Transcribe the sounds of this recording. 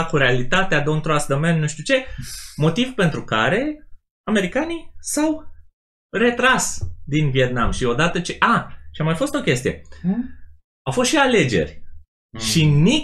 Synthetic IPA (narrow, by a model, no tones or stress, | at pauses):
kuɾealit̪at̪ead̪ont̪ɾoasd̪əmennuʃt̪ut͡ʃe̞mo̞t̪ivpe̞nt̪ɾukaɾe̞ | ame̞ɾikanisaw | re̞t̪ɾasd̪invije̞t̪̚namʃio̞d̪at̪ət͡ʃeʔaʃiamajfo̞st̪o̞kʲe̞st̪ijḛ | awfo̞st̪ʃiale̞d͡ʒe̞̰rʲ | ʃini